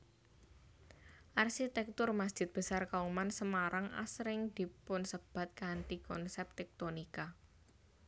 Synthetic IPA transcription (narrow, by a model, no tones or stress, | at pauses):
ʔarʃit̪ɛk̚t̪ʊrmasd̥ʒ̥ɪ̤t̪̚b̥ə̤sarkauŋmansəmaɾaŋʔa̰sɾɪŋd̪̥i̤pʊnsəb̥a̤t̪̚kant̪ikɔnsɛp̚t̪ɛk̚t̪onika